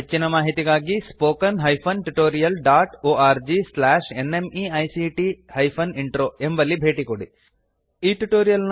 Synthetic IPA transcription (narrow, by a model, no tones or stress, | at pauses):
ɦet͡ʃːinɐmaːɦit̪iɡaːɡispoːkɐnɦɐjpʰɐnʈuʈoːɾijɐlɖaːʈoːaːɾd͡ʒislaːʂenemiɐjsiʈihɐjpʰɐniɳʈɾoːembɐlːibʱe̞ːʈikoɽi | iːʈuʈoːɾijɐln